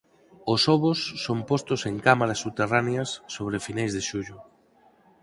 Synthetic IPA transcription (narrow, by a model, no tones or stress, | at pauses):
osɔβʊsːompost̪ʊseŋkamaɾasːuβt̪eraneɐsːoβɾefinajzðeʃuʎʊ